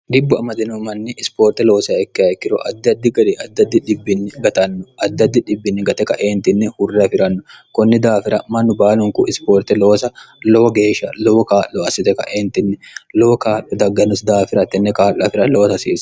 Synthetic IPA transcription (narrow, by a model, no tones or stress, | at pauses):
d̪ɪbːʊɐmɐd̪ɪnɔmɐnːɪʔɪspoːɾt̪ɛlo̞ːsɐɛkːɪɐkːɪɾɔʔɐd̪ːɐd̪ːɪɡɐᶑ̪ɛɐd̪ːɐd̪ːɪᶑɪbːɪnːɪɡɐt̪ɐnːʊɐd̪ːɐd̪ːɪᶑɪbːɪnːɪɡɐt̪ɛkɐʔeːnt̪ɪnːɛhʊrːɛɐfɪɾɐnːʊkɔnːɪd̪aːfɪɾɐmɐnːʊbaːlʊŋkʊʔɪspoːɾt̪ɛlo̞ːsɐ | loːɡe̞ːʃɐloːkaːlːɔɐsɪt̪ɛkɐ̰ʔeːnt̪ɪnːɛloːkaːʔɔd̪ɐɡːɐnʊsd̪aːfɪɾɐt̪ːɛnːɛkaːlːɐfɪɾɐloːt̪ɐsiːsɐ̥